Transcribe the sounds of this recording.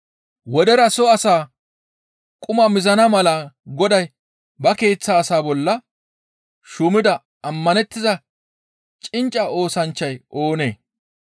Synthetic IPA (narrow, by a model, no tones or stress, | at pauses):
wɔd̪ɛɾɐsɔɐsaː | kʼʊmɐmɪzɐnɐmɐlɐɡɔd̪ɐj | bɐke̞ːt͡sːaːsaːbɔlːɐ | ʃʊmɪd̪ɐ | ʔɐmːɐnɛt̪ːɪzɐ | t͡ʃʼɪnt͡ʃʼːɐʔo̞ːsɐnt͡ʃːɐjʔo̞ːne̞̰ː